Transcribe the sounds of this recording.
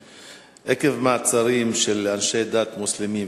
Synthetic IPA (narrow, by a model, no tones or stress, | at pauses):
ʔekevmaʕt͡saɾimʃelanʃed̪aːt̪muslɪmi